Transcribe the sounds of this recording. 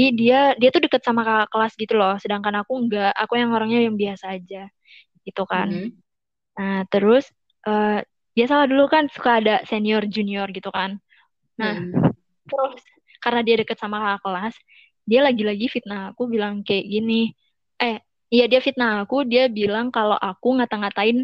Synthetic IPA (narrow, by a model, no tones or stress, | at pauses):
idiadiat̪udəkət̪̚samakaakəlasɡit̪ulɔhsədaŋkanakuŋɡaʔakujaŋoɾaŋɲajaŋbiasaːd͡ʒa | ɡ̥it̪ukan | naht̪əɾʊs | ʔə | biasalahdulukansu̥kaːdaseniɔrd͡ʒuniɔrɡit̪ukanː | ah | t̪əɾʊs | karənadiadəkət̪̚samakaakəlas | dialaɡilaɡifit̪̚naakubilaŋkajaɡini | ʔɛh | jadiafit̪̚naːkudiabilaŋkaloʔakuŋat̪aŋat̪aɪn